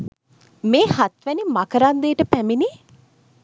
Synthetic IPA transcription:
meːhat̪ʋænimakəɾand̪eːʈəpæmini

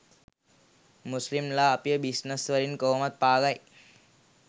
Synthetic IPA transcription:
muslimlaːpijəbisnəsʋəɾinkoɦmat̪̚paːɡaj

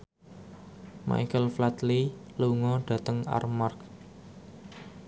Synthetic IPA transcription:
ma̰jkəlflat̪liluŋɔɖ̥a̤t̪əŋa̰rmark̚

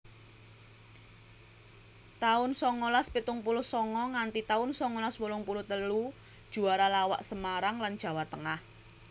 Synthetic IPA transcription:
t̪aʊnsɔŋolaspit̪ʊŋpulʊhsɔŋɔŋant̪it̪aʊnsɔŋolaswulʊŋpulʊt̪əlu | d̥ʒ̥ṳaɾalawa̰ʔsəmaɾaŋland̥ʒ̥ä̤wat̪əŋah

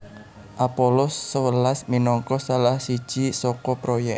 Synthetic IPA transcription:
ʔapolɔsːəwəlasminɔŋkɔsalahsid̥ʒ̥isɔkɔpɾojɛ

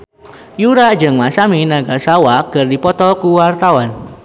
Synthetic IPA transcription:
juɾaʔd͡ʒəŋmasaminaɡasawakərdipɔt̪ɔkuwart̪awan

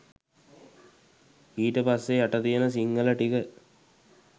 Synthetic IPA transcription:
iːʈəpasːeaʈɐt̪ijenəs̬iŋɡəlɐʈikə

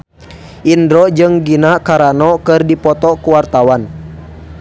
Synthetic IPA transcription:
ʔindɾɔd͡ʒɨŋɡinakaɾanɔkɨrdipɔt̪ɔkuwart̪awan

